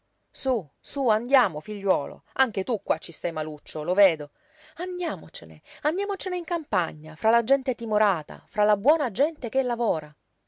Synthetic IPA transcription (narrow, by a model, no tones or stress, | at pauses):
susuand̪jaːmofiʎːwɔːlo̰aŋk̟et̪ukːwat͡ʃːist̪ajmalut͡ʃːoloveːd̪o | and̪jaːmot͡ʃenḛand̪jaːmot͡ʃeneiŋkampaɲːafɾalad͡ʒɛnt̪et̪imoɾaːt̪a̰fɾalabwɔːnad͡ʒɛnt̪ek̟elːavɔːɾa